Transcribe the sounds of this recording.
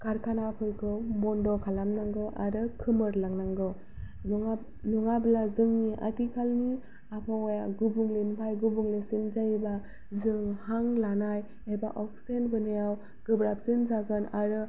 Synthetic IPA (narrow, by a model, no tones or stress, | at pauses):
kaɾkʰanapʰɯɾkʰɯwmɔndɔkʰalamnaŋɡɯʔa̰ɾɯkʰɯmɯɾlaŋnaŋɡɯw | nuŋablazɯŋniʔa̰tikʰalni | apʰawɔjaɡubuŋlenpʰajɡubuŋlesinzajba | zɯŋhaŋlanaj | ebaʔɔk̚senbɯnejaw | ɡ̥ɯbɾap̚sinzaɡɯnaɾɯ